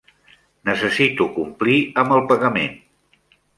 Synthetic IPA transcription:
nəsəsit̪ukumpliəməlˠpəɣəmen

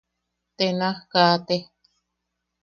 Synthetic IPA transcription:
t̪enakat̪e

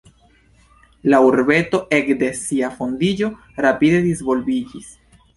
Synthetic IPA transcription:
lauɾbe̞to̞ʔe̞kde̞siafo̞nd̪id͡ʒo̞ | ɾapid̪e̞d̪izvo̞lbid͡ʒis

